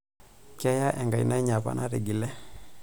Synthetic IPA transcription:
kɛ˦ja˦ʔɛ˨ŋɡa˨ji˨nɛ˦ɲa˨pa̰˨nʔa˦ɾi˨ɡi˨lɛ˦

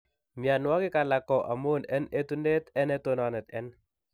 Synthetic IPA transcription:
mja˨nwa˦kɪ˦ka˨la˨kɔ˨ʔa˨mo˦nɛ˦ne˦t̪u˦ne˦t̪ɛ˦nɛ˦t̪o˦nɔ˨nɛ˨t̪ɛ̰˦n

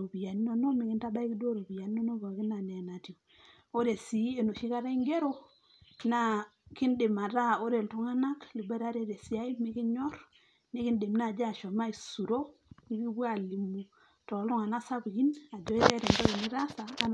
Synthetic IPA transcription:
o˨bi˨ja˨ni˦no˦˨no˦mi˨ki˦nta˦ba˦i˦ki˦do˦ɾo˨bi˨ja˨ni˦no˦no˦ba˨ki˦na˨ne˨na˨ti˨o˨ | o˦ɾe˨si˨˦e˨no˨ʃi˦ka˦ɾa˦i˦ŋɡe˦ɾo˦ | na˦ | ki˦nde˨ma˨ta˦o˦ɾe˨ltu˦ŋa˦na˦kli˨be˦ɾa˦ɾe˦ɾe˨si˦a˦i˦mi˦ki˦ɲɔ˦ɾ | ni˦ki˦nde˨mna˦˨d͡ʒa˦˨ʃo˨ma˦i˨su˨ɾo˦ | mi˦ki˦ɡwa˦˨li˨mu˨ | tɔ˨lu˦ŋa˨na˦sa˦bki˦na˨d͡ʒɔ˦i˦ɾe˦ɾe˨ndo˦ki˨ni˦ɾa˦saː˨˦

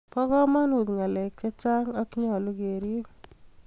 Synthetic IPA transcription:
pɔ˦ɡɔ˦ma˦nu˨d̪ŋa˨lɛ˨k̚t͡ʃɛ˦t͡ʃa˦ŋa˦kɲɔ˨lʊ˦ɡe˨ɾi˦

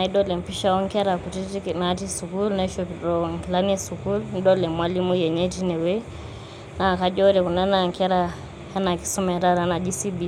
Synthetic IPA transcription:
na˨i˦dɔ˦lɛ˨mpi˦ʃa˦ɔ˦ŋkɛ˦ɾa˨ku˨titiknati˦su˨kulna˦ʃopiɾɔŋkla˦ni˦su˨ku˦ln˦dɔ˦lɛ˨mwa˦li˦mu˦jɛ˨ɲe˦ti˦nɛ˨we | na˨ka˦d͡ʒɔ˦ɾɛ˨ku˨na˦na˨ŋkɛ˦ɾa | ha˦na˨ki̥˦su˦mɛ˨ta˦ɾa˦na˨d͡ʒi˦si˦bi˨

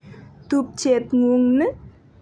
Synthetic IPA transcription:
t̪u˧p̚t͡ɕe˨t̪̚ŋu˧ŋnɨ˦

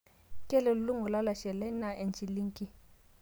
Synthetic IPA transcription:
kʼɛ˦lɛ˨llʊ˦ŋʊ˨la˦la˨ʃɛ˨lɛ˦na˨ɛ˨nt͡ʃʼi˨li˦ŋ˦kʼi˦

